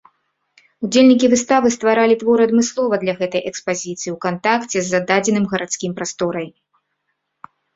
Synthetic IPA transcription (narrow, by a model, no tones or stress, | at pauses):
ud͡zʲelʲnʲik̬ʲivɨst̪avɨst̪vaɾalʲit̪vɔɾɨɐd̪mɨslˠɔvɐd̪lʲɐɣɛt̪ɐjʔɛkspazʲit̪sɨjiwkant̪akt͡sʲɛzːad̪ad͡zʲɛnɨmɣɐɾat̪skʲimpɾast̪ɔɾɐj